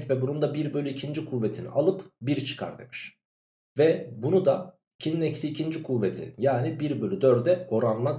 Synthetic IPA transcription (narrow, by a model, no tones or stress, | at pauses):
cvɛbunund̪abiɾbø̞lʲyicʰind͡ʒikʰuvːe̞t̪ʰinḭʔalˠɯpbiɾt͡ʃʰɯ̥kʰa̰ɾd̪ḛmɯʃ | vɛbunud̪a | icʰininɛcsiːcʰind͡ʒikʰuvːet̪ʰḭjaːnibiɾbø̞lʲyd̪øɾd̪ɛo̞ɾanlˠa